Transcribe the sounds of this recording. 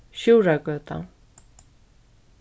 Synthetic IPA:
ɕurakøt̪a̰ŋ

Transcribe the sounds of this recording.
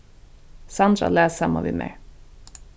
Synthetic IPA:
sand̪ɾa̰lɛːsaːmavḭðmɛ̰ɹ

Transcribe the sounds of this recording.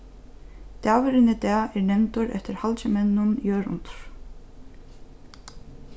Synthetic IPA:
t̪aːvɪɾɪnɪt̪ɛːɛɾnɛmnt̪ʊɾɛ̰ft̪ɪɾhalt͡ɕɪmɛnːʊnjœːɾʊ̰nt̪ʊ̥ɾ̥

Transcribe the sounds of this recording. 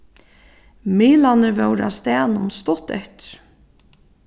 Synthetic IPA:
miːlanəɾvœwɾa̰st̪æːnʊnst̪ʊt̪ɛ̰ht̪ɪ̥ɾ̥

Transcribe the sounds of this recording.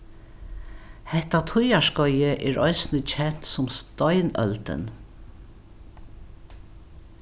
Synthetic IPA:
hɛht̪at̪ʰʊjaʃkɔjəʔɛːɹɔɪsnət͡ɕʰɛn̥t̪sʊmst̪ɔjnœ̰lt̪ə̰n

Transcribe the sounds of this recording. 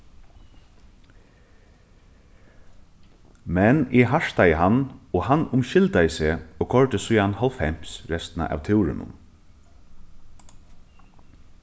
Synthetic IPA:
mɛnʔɛɦaʂt̪ajəɦanɔɣhanʊmʃɪlt̪ajəseːɔːkʰɔɹt̪əsʊjanhɔlfɛm̥sɹɛst̪na̰ʔa̰ːʋt̪ʰɪwɾɪ̰nʊ̰m

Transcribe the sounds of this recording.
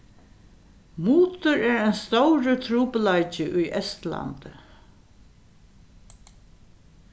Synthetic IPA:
muːt̪ʊɹɛːɹajnst̪owɹət̪ʰɾuːpəlajt͡ʃɪʔʊjʔɛst̪la̰nt̪

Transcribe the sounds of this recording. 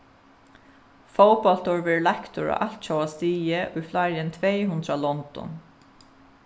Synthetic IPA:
fowpɔl̥t̪ʊɹvɛɹlakt̪ʊɹa̰ʔalt̪t͡ʃowast̪iːjɪʔʊjflaɾɪnt̪ʰvɛjɦʉnt̪ɾalɔnt̪ɔ̰n

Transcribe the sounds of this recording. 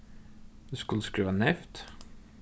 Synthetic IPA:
d̪ʉskʉləskɾʉːʋanɛft̪

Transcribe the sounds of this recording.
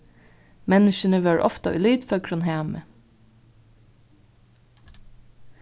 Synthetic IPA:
mɛnɪʃənəʋæːɹʔɔ̰ft̪ɑʔʉ̰ːlyːd̪fɔkʰɹʊnheːmə

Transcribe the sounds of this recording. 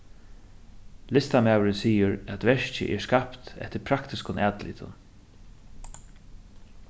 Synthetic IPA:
lɪst̪amaːwɾɪnsiːʊɾæt̪vɛʂt͡ɕɪ̰ʔɛɹskapt̪ɛ̰ht̪ɪɾpʰɾakt̪ɪskʊnʔæːt̪lḭːt̪ʰʊ̰n

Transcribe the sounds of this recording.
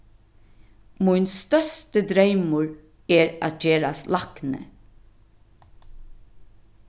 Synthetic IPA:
mʊjnst̪œst̪əd̪ɾejmʊɹ | ɛːɾæ̰ːt̪̚d͡ʒeːɾaslaknə̰

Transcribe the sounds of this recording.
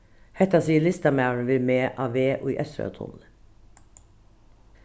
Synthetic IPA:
hɛt̪ɑsiːəɭɪst̪ɑmaʊɹəɳʋɪlmeːʔɑːʋeːʔo̰ːḭːʔɛsɾø̰t̪ʰʊ̰nə

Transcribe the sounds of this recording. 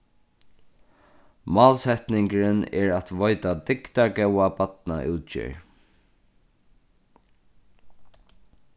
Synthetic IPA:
mɑːlsɛt̪nɪŋkɾənɛ̰ɹat̪ʋɔjt̪ad̪ɪkt̪aɹɡɛwabat̪na̰ʔuːt̪t͡ʃɪ̰ɹ

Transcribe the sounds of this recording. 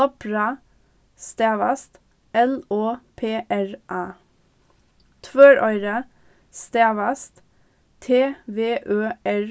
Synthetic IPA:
ɔpɹɑ | st̪eːʋɑ̰st̪ | ʔɛloːpʰeːʔæɹʔɑː | t̪ʰʋøːɹʔœʏɾə | st̪eːʋɑst̪ | t̪ʰeːʋeːʔøːæɹ

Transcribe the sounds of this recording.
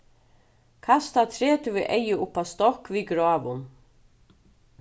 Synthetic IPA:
kʰast̪at̪ʰɾeːt̪ɪvɪʔejːɪʔʊpːast̪ɔhkviːɡɾɔːʋʊn

